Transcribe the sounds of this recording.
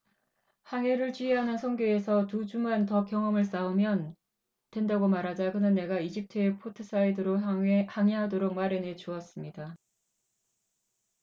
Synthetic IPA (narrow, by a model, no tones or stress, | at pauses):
haŋe̞ɾɯɭt͡ɕieɦanɯnsʰʌŋɡjoesʰʌtud͡ʑumantʌkjʌŋʌmɯɭs͈aumjʌn | twe̞ndaɡomaɾɦad͡ʑakɯnɯnːe̞ɡaid͡ʑip̚tʰɯepʰotʰɯs͈ʰaidɯɾohaŋeɦadoɾok̚maɾjʌne̞t͡ɕuʌs͈ɯmɲida